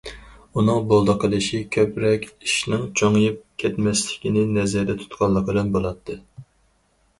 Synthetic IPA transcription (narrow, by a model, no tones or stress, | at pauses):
unɨŋbolˠd̪ɑqʰəlˠɨʃikʲʰøpɾɛkʲiʃnɪŋt͡ʃʰoŋjip̚kʲʰɛt̪mɛslɪ̥kʲinɪnɛzɛɾd̪ɛt̪ʰu̥t̪qʰɑlˠːəqəlɨnbolˠɑt̪ʰːɨ